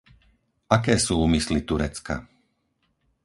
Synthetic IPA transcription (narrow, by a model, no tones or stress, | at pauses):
akɛːsuːuːmislit̪uɾɛt͡ska̰